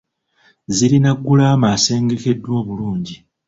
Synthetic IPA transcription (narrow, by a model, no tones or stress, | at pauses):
ziɾinaɡːulaːmaːse̞ːŋɡe̞ke̞dːwo̞ːβuluːɲɟi